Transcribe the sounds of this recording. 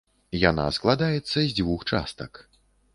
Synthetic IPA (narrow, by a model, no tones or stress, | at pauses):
jana̰sklˠad̪ajɛt̪sːɐzʲd͡zʲvuxt͡ʂa̰st̪ɐk